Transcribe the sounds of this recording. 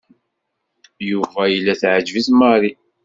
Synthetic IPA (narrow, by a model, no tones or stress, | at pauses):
juvæjəlːæθʕəd͡ʒvisməɾi